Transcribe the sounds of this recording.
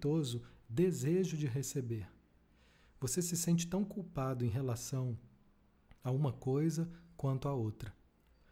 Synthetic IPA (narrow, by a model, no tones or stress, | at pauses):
t̪ozʊd̪ezeʒʊd͡ʒɪɦesebeɾ | vosesɪsẽnt͡ʃɪ̥t̪ɐ̃w̃kuwpad̪ʊẽj̃ɦelasɐ̃w̃ | aũmɐkojzɐkwɐ̃nt̪ʊaowt̪ɾɐ